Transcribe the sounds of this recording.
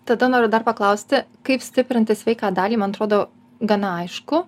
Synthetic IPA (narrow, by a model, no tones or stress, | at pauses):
t̪ɐd̪ɐnoːɾʲʊd̪ɐrpɐklˠɐʊsʲt̪ʲɪkɐɪpsʲt̪ʲɪpʲɾʲɪnʲt̪ʲɪsʲʋʲɛɪkɑːd̪ɑːlʲiːmɐnɐt̪ɾoːd̪oː | ɡɐnɐɐɪʃkʊ